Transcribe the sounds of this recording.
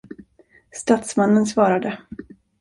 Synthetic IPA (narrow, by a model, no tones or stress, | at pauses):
st̪at̪smanːənsvɑːɾad̪ə